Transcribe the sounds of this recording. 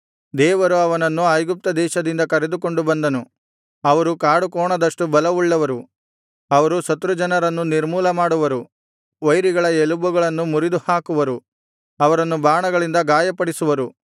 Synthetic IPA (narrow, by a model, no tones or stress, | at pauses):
d̪ɛːʋɐɾuɐʋɐnɐnːuɐjɡup̚t̪ɐd̪ɛːʃɐd̪ind̪ɐkɐɾed̪uko̞ɳɖubɐnd̪ɐnu | ɐʋɐɾukaːɽukɔːɳɐd̪ɐʂʈubɐlɐʋuɭːɐʋɐɾu | ɐʋɐɾusɐt̪ɾud͡ʒɐnɐɾɐnːuniɾmuːlɐmaːɽuʋɐɾu | ʋɐjɾiɡɐɭɐelubuɡɐɭɐnːumuɾid̪uhaːkuʋɐɾu | ɐʋɐɾɐnːubaːɳɐɡɐɭind̪ɐɡaːjɐpɐɽisuʋɐɾu